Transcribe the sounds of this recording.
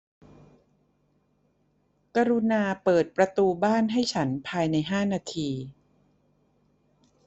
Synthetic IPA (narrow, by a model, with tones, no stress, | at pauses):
ka˧ɾu˧naː˧pɤː˨˩t̪̚pɾa˧t̪uː˧baː˥˩nɦa˥˩jt͡ɕʰa˦˥npʰaː˧jna˧jɦaː˥˩naː˧t̪ʰiː˧